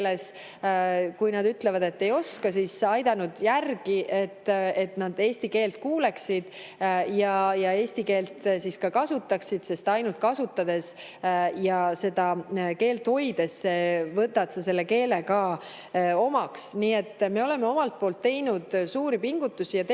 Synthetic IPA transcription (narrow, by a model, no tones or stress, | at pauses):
les | kujnɑd̪yt̪ːle̞vɑd̪e̞t̪ːe̞jo̞skɑsisɑjd̪̥ɑnud̪jærɡ̥iʔe̞t̪ːe̞t̪nɑd̪̥e̞ːsʲt̪ike̞ːlt̪̚kuːle̞ksid̪̥ | jɑjɑe̞ːsʲt̪ike̞ːlt̪siskɑkɑsut̪ːˑɑksid̪̥se̞st̪ɑjnult̪̚kɑsut̪ːˑɑd̪e̞s | jɑse̞d̪̥ɑke̞ːlt̪ho̞jd̪̥e̞sːevɤt̪ːˑɑt̪sɑse̞lːe̞ke̞ːlekɑː | o̞mɑksniːe̞t̪ːme̞o̞le̞meo̞mɑlt̪̚po̞ːlt̪ːe̞jnud̪̥suːɾipiŋɡ̥ut̪ːusijɑt̪e